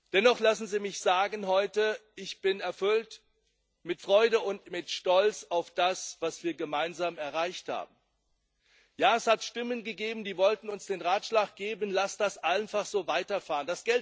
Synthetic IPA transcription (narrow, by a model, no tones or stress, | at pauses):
d̥ɛnɔχlasn̩ziːmɪçz̥aːɡən̩ɦɔʏtəʔɪçb̥ɪnɛɐfʏlt | mɪtfʁ̥ɔʏdəʊntmɪtʃtɔlt͡saʊfd̥asv̥asv̥iːɐɡəmaɪnzaːmɛɐʁaɪçtha̰ːbm̩ | jaːɛshatʃtɪmənɡəɡeːbm̩diːvɔltn̩ʊnsd̥eːnʁaːtʃlaːk̚ɡ̥eːbənlasd̥asʔaɪnfaχz̥oːvaɪtɐfaːʁənd̥asɡ̥ɛl